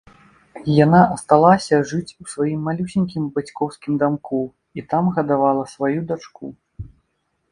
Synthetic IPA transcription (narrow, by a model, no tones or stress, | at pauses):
janaʔɐst̪alˠasʲɐʐɨt͡sʲusvajimːalʲusʲinʲkʲimbat͡sʲkɔwskʲimd̪amku | it̪amɣɐd̪avalˠɐsvajud̪at͡ʂku